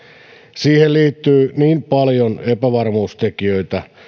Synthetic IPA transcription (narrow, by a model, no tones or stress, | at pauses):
siːhelliːt̪ːyːniːmpɑljonepæʋɑrmuːst̪ekiøit̪æ